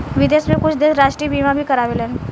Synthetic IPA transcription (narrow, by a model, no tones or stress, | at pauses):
ʋɪd̪eːsmẽkʊt͡ʃʰd̪ɪnɾaːʃʈɾibiːmãbʱikɐɾaːʋelɛ̃n